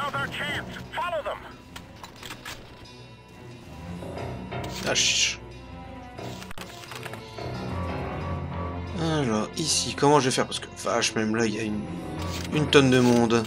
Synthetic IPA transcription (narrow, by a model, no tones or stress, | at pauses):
ðə˞t͡ʃʰẽnsfɑlˠoðə̃m | aʃ | alɔʁisikɔmɑ̃ʒəvɛfɛʁpaskə̥va̰ʃmɛmlailjayn | ynt̪ɔnd̪əmɔ̃d̪